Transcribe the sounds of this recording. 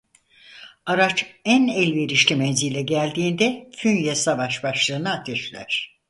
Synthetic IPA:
aɾat͡ʃænɛlʲveɾiʃlʲimɛnzilʲɛɟælʲd̪iːnd̪ɛfynjɛsavaʃbaʃlˠɯːnɯat̪ʰɛʃlʲæ̰ɾ̥

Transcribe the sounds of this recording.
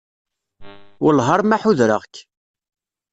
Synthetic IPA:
ʊlɦɑɾˤmaħuðɾə̰ʁkː

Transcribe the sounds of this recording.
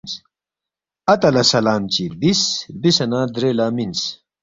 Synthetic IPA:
s | ɐt̪ɐlɐsɐlaːmt͡ɕibisbisɐnad̪ɾeːlamins

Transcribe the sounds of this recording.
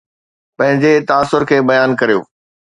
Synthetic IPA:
pɐ̃ɦɪ̃ɲd͡ʑet̪aːsʊɾkʰeːbɐjaːnkɐɾijo̰ː

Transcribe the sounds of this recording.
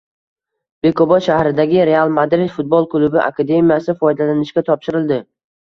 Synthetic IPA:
b̥e̞kʰobɒt̪ʃahɾɪd̪aɡʲɪɾe̞alˠmad̪ɾɪd̪fʊt̪̚bolˠkʰʊlʊbɪʔa̰kʰad̪e̞mijasɪfɒjd̪alanɪʃkʲat̪ʰɒpʃɪɾɪld̪ɪ

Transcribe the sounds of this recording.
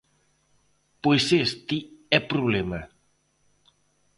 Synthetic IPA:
pojsest̪iɛpɾuβlema

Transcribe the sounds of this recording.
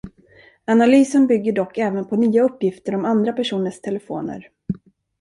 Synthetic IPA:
analyːsənbʏɡːəɖɔkːɛːvənpʰɔnyːaɵpːjɪft̪əɾɔmand̪ɾapæʂuːnəʂt̪ʰɛlɛfo̰ːnə̰ɾ

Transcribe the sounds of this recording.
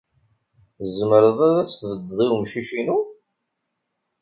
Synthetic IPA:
zəməɾəðˤæðæsθvəd̪ðˤiwmʃiʃinu

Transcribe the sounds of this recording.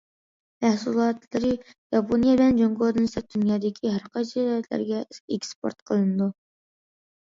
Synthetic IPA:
mæhsulˠɑːt̪lˠɨɾɨ | jɑpʰonijɛbɪlɛnd͡ʒoŋɡod̪ɨnsɛd̪̥ynjɑːd̪ɪkʲʰiɦæɾqʰɑt͡ʃʰiɾjɛt̪ʰlæ̰ɾɡʲɛekspo̰ɾt̪qʰəlˠɨnɨd̪u

